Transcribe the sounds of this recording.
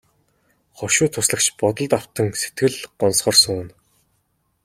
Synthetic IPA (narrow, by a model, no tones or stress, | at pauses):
χɔʃʊːt̪ʰːʊsɮə̆kt͡ɕpɔt̪ɞ̆ɮt̪aw̥t̪ə̆ŋse̥t̪ɡɘ̆ɮɢɔnsχɔːrsʊːn